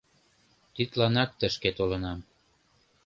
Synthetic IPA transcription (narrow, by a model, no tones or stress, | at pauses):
t̪yt̪lɑnɑk̚t̪əʃket̪olə̆nɑm